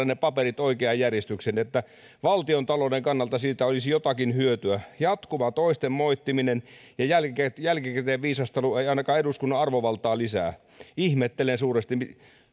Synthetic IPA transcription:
ɑnepɑperit̪oikeɑjjærjest̪yksenet̪ːæ | ʋɑlt̪iont̪ɑlodeŋkɑnːɑlt̪ɑsiːt̪æolisjot̪ɑkinhyøt̪yæjɑt̪kuʋɑt̪oist̪emmoit̪ːiminenjɑjælejælkikæt̪eːʋʋiːsɑst̪ɑlueiɑinɑkɑːeɾuskunːɑɑrʋoʋɑlt̪ˑɑːlisæ̰ː | ihmet̪ːelensuːrest̪ii

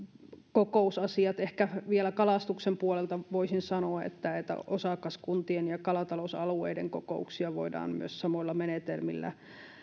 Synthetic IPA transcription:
kokoˑusɑsiɑt̪ehkæʋielækɑlɑst̪uksempuolelt̪ɑʋoisinsɑnoɑḛt̪ːæet̪ːæ̰ʔosɑkɑskunt̪ienjɑkɑlɑt̪ɑlosɑluḛidḛŋkoko̰uksiɑʋo̰idɑ̰ːmmy̰øssɑmoilːɑmenet̪elmḭlːæ̰

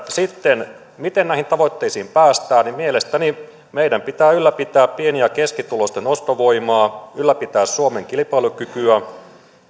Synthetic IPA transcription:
sit̪ːen | mit̪ennæˑihint̪ɑʋot̪ːeisiːmpæːst̪æːnimmielest̪æni | meijdæmpit̪æːylːæpit̪æːppieniækeskit̪ulost̪enost̪oʋo̞imɑːylːæpit̪æːssuomeŋkilipɑilukykyæ

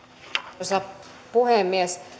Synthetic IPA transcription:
sɑ | puheˑmːies

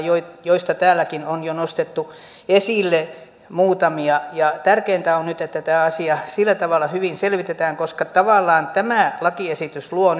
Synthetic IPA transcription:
joijoist̪ɑt̪æːlːˑækinonjonost̪et̪ːu | esilːe | muːt̪ɑmiɑjɑt̪ærkeːnt̪æonnyt̪et̪ːæt̪æːɑsiɑsilːæt̪ɑʋɑlːˑɑhyʋinselʋit̪et̪æːŋkoskɑt̪ɑʋɑˑlːˑɑːnt̪æmæˑlɑkiesit̪ysluon

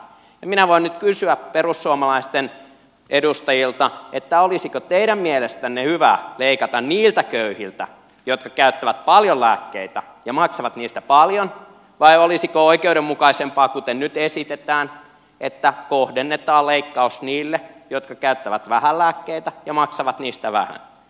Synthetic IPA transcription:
ɑminæʋoinnyt̪kysyæperusːuomɑlɑist̪en | edust̪ɑjilt̪ɑet̪ːæolisikot̪eiɾæmmielest̪ænːehyʋæ̰leikɑt̪ɑnniːlt̪ækøyhilt̪æ̰ | jot̪kɑkæyt̪ːæʋæt̪̚pɑljollæːkːḛit̪æ | jɑmɑksɑʋɑt̪niːst̪æpɑljon | ʋɑiolisikooikeuɾemmukɑisempɑːkut̪ennyt̪esit̪et̪æːn | et̪ːækohdenːet̪ɑːleikːɑusniːlːejot̪kɑkæyt̪ːæʋæt̪ʋæhællæːkːeit̪æjɑmɑksɑʋɑt̪niːst̪æʋæ̰hæ̰n

